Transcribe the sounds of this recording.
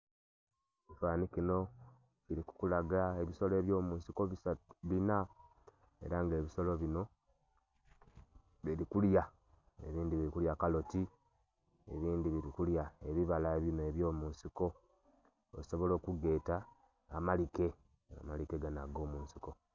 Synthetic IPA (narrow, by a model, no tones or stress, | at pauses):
ecifaːnikino̞ | ciɾiku̥kulaɡaeβiso̞le̞ːβjo̞ːmuːnsiko̞aβina | e̞̰ɾaŋɡe̞ːβiso̞lo̞βino̞ | βiɾikulja | ḛβiːndiβiɾikuljakalo̞ti | e̞βiːndiβiɾikuljaeβiβalaeβinoeβjo̞ːmuːnsiko̞̰ː | iso̞βo̞lo̞ːkuɡe̞ːtaː | malike̞ | a̰malike̞ɡanaɡo̞ːmuːnsi̥ko̞